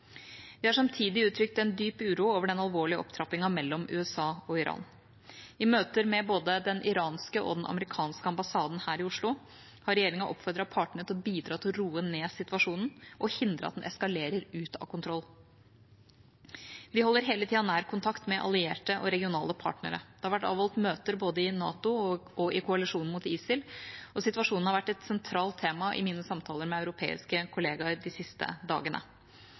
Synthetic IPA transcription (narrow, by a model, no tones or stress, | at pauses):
ʋɪhɑʂɑmt̪ʰiːd̪ɪʉːt̪ʰɾʏkt̪ɛnd̪yːpʉːɾuoːʋəɖɛnɑlʋoːɭɪəɔ̰pt̪ʰɾɑpɪŋɑmɛlːɔmʔʉ̰ːɛsɑːɔɪɾʔɑ̰ːn | ɪmøːt̪əɾmɛboːd̪əd̪ɛnʔɪɾɑːnskəʔɔ̰d̪ɛnʔɑ̰məɾɪkʰɑːnskəɑmbɑsɑːd̪n̩hæːɾɪʊʂɭʊ | hɑɾɛjeːɾɪŋɑʔɔpfɔɾd̪ɾɑpʰɑːʈɳəɾət̪ʰɪlbiːd̪ɾɑːt̪ʰɪlɾuːəneːsɪt̪ʋɑʂuːnn̩ʔɔhɪnd̪ɾə̰ɑ̰d̪ɛnʔɛskɑleːɾəɾʉːt̪ɑ̰kʰʊnt̪ʰɾɔlː | ʋɪhɔlːəɾɦeːlət̪ʰiːɑnæːɾkʰʊnt̪ʰɑkt̪mɛʔɑ̰lɪeːʈəʔɔɾɛɡɪʊnɑːləpʰɑ̰ːʈnə̰ɾə̰d̪̥ɛhɑɾʋæʈːɑ̰ːʋhɔlt̪møːt̪əɾboːd̪əɪnɑ̰ːt̪ʊɔɪkʰʊɑlɪʂuːnn̩mʊt̪iːsɪlɔsɪt̪ʋɑʂuːnn̩hɑɾʋæʈːɛt̪sɛnt̪ʰɾɑːlt̪ʰːeːmɑʔɪ̰miːnəsɑmt̪ʰɑːləɾmɛɑʉɾʊpʰḛːɪ̰skəkʰʊleːɡɑɾd̪ɪsɪst̪ə̰d̪ɑ̰ːɡənʔə̰